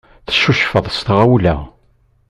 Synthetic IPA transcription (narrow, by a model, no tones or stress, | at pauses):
θə̥ʃuʃfəðˤst̪ʁæwlæ̰